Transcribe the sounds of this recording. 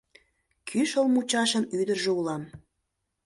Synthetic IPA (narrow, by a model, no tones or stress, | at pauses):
kʰyʃəlmut͡ɕɑʃənyd̪ərʒeulɑm